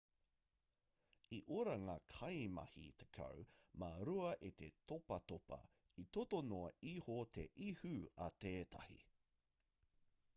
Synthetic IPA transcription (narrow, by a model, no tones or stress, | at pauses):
iʔoɾɐŋakʰɐjmɐ̰hḭt̪e̥kʰɐ̰wmɐɾuɐʔet̪et̪opɐt̪opɐ̰ | it̪ot̪onoɐihot̪ʰeʔihʉɐt̪eːt̪ʰɐ̰hḭ